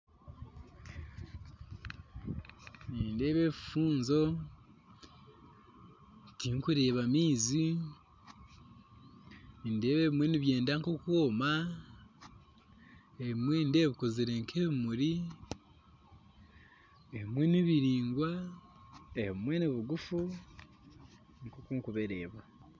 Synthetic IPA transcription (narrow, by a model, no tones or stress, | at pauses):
niːnde̞ːβeβi̥fuːnzo̞ | tiŋkuɾe̞ːβamiːzi | ninde̞ːβeβimweniβje̞ːndaŋkokwoːma | eβimwende̞ːβikoziɾe̞ŋkʰeβimuɾi | eβimweniβiɾiːŋɡwa | eβimwe̞niβuɡufu | ŋkokuŋkuβeɾeːβa